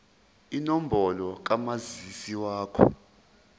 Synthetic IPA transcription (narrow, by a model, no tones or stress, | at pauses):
inom̩bʱɔlɔk̬amazisiwaːkʰɔ̰